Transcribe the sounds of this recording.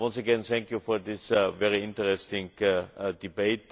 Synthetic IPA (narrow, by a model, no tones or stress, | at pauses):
wʌ̃nsəɡɛ̃nθɛ̃ŋkjufɔɐdɪsvɛɹiɪ̃ntəɹɛstɪ̃ŋkdibeɪt